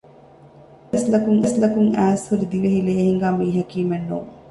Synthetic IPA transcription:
ɐslɐkuŋɐslɐkuŋæːshuɾid̪iʋeɦileːɦiŋɡaːmiːɦɐkiːmænːṵː

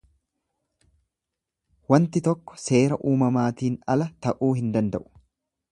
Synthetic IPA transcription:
wɐnt̪ɪt̪ɔkːɔ̥se̞ːɾɐʔuːmɐmaːt̪iːnɐ̰lɐt̪ɐʔuːɦɪnd̪ɐnd̪ɐʔʊ̥

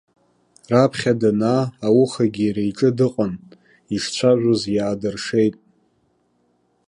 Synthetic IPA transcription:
rapʰχʲadanaːwuχaɡʲiɾejʈ͡ʂʼɨdɨqʼan | iʂt͡ɕʷʰaʒᶣʷozjaːdɨrʂe̞jtʼ

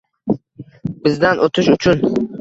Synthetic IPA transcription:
bɪzd̪anʔot̪ʰɪʃʊt͡ʃʰʊn

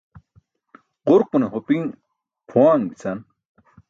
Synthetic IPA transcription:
qʊɾquneɦopiŋ | pʰuaːŋbit͡sʰɐn

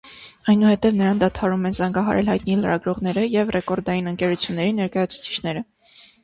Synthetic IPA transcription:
ɑjnuhɛt̪ɛvnəɾɑnd̪ɑt̪ʰɑɾumɛnzɑŋɡɑɦɑ̰ɾɛlhɑjt̪niləɾɑɡɾɔʁn̪ɛɾəjɛvrɛkɔɾd̪ɑjinəŋkɛɾut͡sʰjunːɛɾinɛɾkɑjɑt͡sʰu̥t͡sʰi̥t͡ʃʰn̪ɛɾə

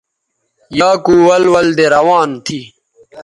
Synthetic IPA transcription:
jaːkuwɐlwɐld̪eɾɐwaːnt̪ʰiː

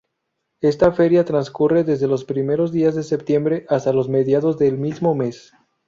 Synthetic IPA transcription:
e̞st̪afe̞ɾjat̪ɾanskure̞ðezðe̞lo̞spɾime̞ɾo̞zðiazðe̞se̞pt̪je̞mbɾe̞ʔast̪alozme̞ðjaðo̞zðe̞lmizmo̞me̞s

